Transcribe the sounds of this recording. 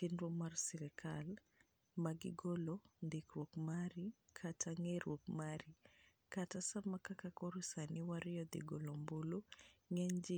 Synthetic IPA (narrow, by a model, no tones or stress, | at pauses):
tinɾomarsɛɾɛkʰal | maɡɪɡolond̪ɪkɾwokmaɾikʰatʰaŋeɾwokmaɾi | katasamakakakoɾosanɪwaɾɪjɔd̪ḭɡolomboloŋɛɲd͡ʒɪ